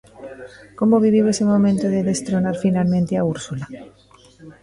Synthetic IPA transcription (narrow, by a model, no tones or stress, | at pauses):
ko̞mo̞β̞iβ̞iβe̞semõ̞mẽnt̪oðe̞ðe̞st̪ɾo̞naɾfinalmẽnt̪eauɾsula